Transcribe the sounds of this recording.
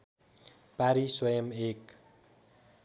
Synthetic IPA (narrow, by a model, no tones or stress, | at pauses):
paɾiswʌjʌmek